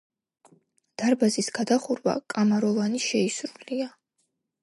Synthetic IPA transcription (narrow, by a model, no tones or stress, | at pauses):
d̪̥aɾbazisɡ̥ad̪aχuɾva̰kʼamaɾɔvaniʃɛisɾulia